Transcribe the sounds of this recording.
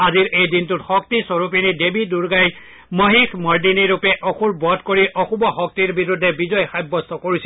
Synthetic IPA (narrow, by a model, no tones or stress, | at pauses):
aziɹejdintutxɔk̚tisɔɹupinidebiduɹɡaj | məɦikʰmɔɹdiniɹupɛʔɔxuɹbɔdkoɹiʔɔxubɔxɔk̚tiɹbiɹudʱːɛbizɔjxajbːɔstɔkoɹisɛ